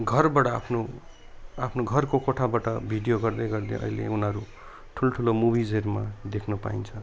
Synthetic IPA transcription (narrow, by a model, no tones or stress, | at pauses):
ɡʱʌrbaʈʌa̰pʰno | apʰnoɡʱʌrkokoʈʰabaʈʌbʱiɖijoɡʌrd̪ʌjɡʌrd̪ḛʔʌ̰jlḛunʌɾu | ʈʰuloʈʰulomubid͡zʱerma̰d̪ekʰnupa̰int͡sʰʌ